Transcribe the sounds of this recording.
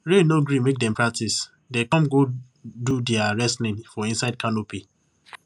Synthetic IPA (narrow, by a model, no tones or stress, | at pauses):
ɹenoɡɹĩmek̚dɛ̃mpʰɹak̚tis | dekɔ̃mɡo | dudɛaɹɛslĩnfɔĩnsaɪd̚kʰanopi